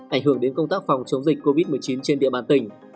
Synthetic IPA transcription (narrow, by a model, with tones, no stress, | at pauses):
ʔa˧˩jŋ̟ɦɨ˧˩əŋɗe˨˦nkə˧ŋ͡mt̪aː˦˥k̚fa˨˩wŋ͡mt͡ɕə˨˦wŋ͡mzi˨˩k̟̚kːo˧vi˦˥t̚mɨ˨˩əjt͡ɕi˨˦nt͡ɕe˧nɗḭ˧˨əɓaː˧˩nt̪ï˧˩ŋ̟